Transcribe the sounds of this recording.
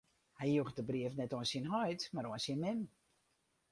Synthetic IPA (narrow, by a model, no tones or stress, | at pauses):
hɛjjuxdəbriəfnɛtoənsinɦɔjtmaɾoənsinmɪm